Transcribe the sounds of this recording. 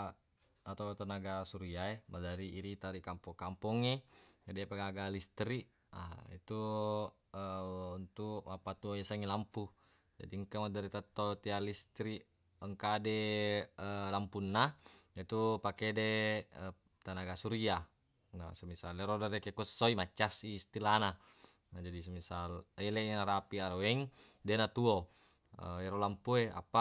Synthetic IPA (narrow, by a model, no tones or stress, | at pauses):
at̪at̪anaɡasuɾiaemadaɾiiɾit̪aɾikampɔkampɔŋed͡ʒadipaɡaɡalist̪ɾiʔ | a̰ḭt̪u | əunt̪ukmapat̪uesaŋilampu | d͡ʒa̰diŋkamadaɾit̪at̪ot̪ialist̪ɾi | əŋkadɛəlampunːait̪upakedeə | t̪anaɡasuɾia | na̰səmisalɛɾodaɾɛkekusoimat͡ʃːasiːst̪ilana | nad͡ʒadismisalɛlenaɾapiaɾowɛŋdenat̪uo | ə̰ɛɾolampuea̰pa